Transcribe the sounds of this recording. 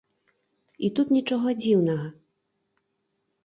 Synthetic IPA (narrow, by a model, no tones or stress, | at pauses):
it̪ut̪nʲit͡ʂɔɣɔd͡zʲiwnɐɣɐ